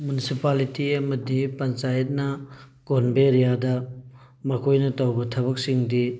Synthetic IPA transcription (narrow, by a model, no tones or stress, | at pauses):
munisipalitiɐmɐdipɐnt͡ʃajɐt̚nɐ | konbeɾijadɐ | mɐkʰojnɐtawbɐtʰɐβɐk̚siŋdi